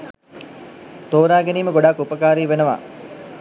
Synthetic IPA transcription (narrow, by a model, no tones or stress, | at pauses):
t̪oːɾaːɡeniːməɡoɖakːupəkaːɾiːʋenəʋa̰ː